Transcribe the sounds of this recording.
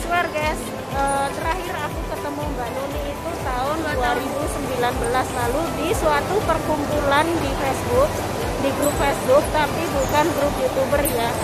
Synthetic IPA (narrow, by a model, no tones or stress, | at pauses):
t͡ʃuarɡas | əːt̪əɾaɦɪɾakukət̪əmumbanuniːt̪ut̪aʊnduaɾibusəmbilanbəlaslaludisuat̪upərkumpulandifɛsbuk̚ | diɡɾup̚fɛsbʊk̚t̪apibukanɡɾup̚jut̪ubərja